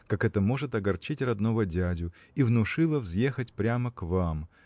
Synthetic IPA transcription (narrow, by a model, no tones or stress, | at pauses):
kakɛt̪əmo̞ʐɨt̪ɐɡɐrt͡ɕitʲrɐd̪novədʲædʲʊ | ivnʊʂɨlˠəvzje̞xətʲpɾʲaməkvam